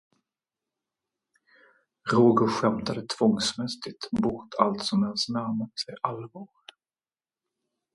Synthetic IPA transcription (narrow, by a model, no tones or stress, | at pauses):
ɾoːɡʊɧɛmt̪ad̪ət̪ʰv̥ɔŋsmɛst̪ɪt̪bɔɾt̪ʰalt̪sɔmɛnsnæɾmat̪sɛjʔalvɑːɾ